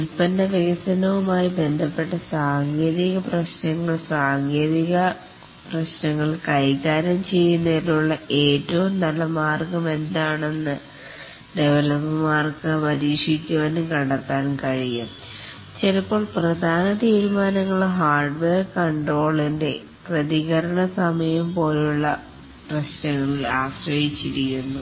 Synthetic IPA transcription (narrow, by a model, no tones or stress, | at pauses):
ulpɐndɐʋiɣɐsɐnɐʋumaːjibe̞nd̪ʱɐpːe̞ʈːɐsaːŋɡeːðiɣɐprɐɕnɐŋːɐɭsaːŋɡe̞ːðiɣɐ | prɐɕnɐŋːɐɭkɐjkːaːɾɐmt͡ɕe̞jːunːɐðiluɭːɐʔe̞ːtːɐʋumnɐlːɐmaːrkɐme̞nd̪aːɳe̞nːɨ | ɖeʋɐlɐpːɐmaːrkɨpɐɾiːʂikʲːuʋɐnɨkɐɽɐt̪ːaːnkɐɻijum | t͡ɕelɐpːo̞ːɭprɐd̪ʱaːnɐt̪iːɾmaːnɐŋːɐɭɦaːrɖʋeːrkɐɳɖro̞ːɭinde̞ | prɐðiɣɐɾɐɳɐsɐmɐjɐmpo̞ːluɭːɐ | prɐɕnɐŋːɐɭilaːɕrɐjit͡ɕːiɾikːunːu